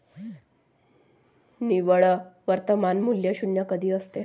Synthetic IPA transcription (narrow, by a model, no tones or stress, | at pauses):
niʋəɭəʋəɾt̪əmanmuljəɕunːjəkəd̪ʱiːəst̪e